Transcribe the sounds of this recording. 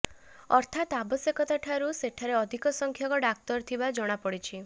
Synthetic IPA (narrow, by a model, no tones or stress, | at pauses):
ɔɾt̪ʰat̪abɔsekɔt̪aʈʰaɾuseʈʰaɾeɔd̪ʱikɔsɔŋkʰjɔkɔɖak̚t̪ɔɾt̪ʰibad͡ʒɔɽ̃apɔɽit͡ʃʰi